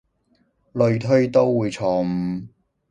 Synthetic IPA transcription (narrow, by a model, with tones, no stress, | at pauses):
lɵ˧ɥt̪ʰɵ˥ɥt̪o˥wːuː˨˧jt͡sʰɔː˧˩m̩˨˩